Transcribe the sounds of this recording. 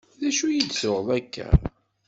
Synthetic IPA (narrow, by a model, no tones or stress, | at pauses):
ðæʃujid̪sʊʁðˤækːæ̰